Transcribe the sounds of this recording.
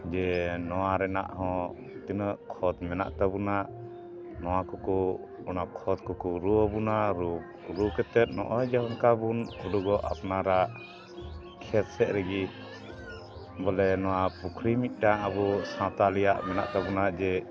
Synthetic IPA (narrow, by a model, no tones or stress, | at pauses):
d͡ʒɛnɔwaɾɛna̰ʔɦɔ̃ | t̪inəʔkʰɔd̪mɛna̰ʔt̪abunaʔ | nɔw̃akɔkɔ | ɔnakʰɔd̪̚kɔkɔɾuəbunaɾu | ɾukɛt̪ɛt̪̚nɔ̰ʔɔd͡ʒaɦɔnkabunkuɖuɡɔʔa̰pnaɾaʔ | kʰɛt̪sɛʔ̪ɾɛɡi | bɔlɛnɔw̃apukʰɾimit̪̚ˀʈaʔəbusãt̪alɛjaʔmɛna̰ʔt̪abunaʔd͡ʒɛ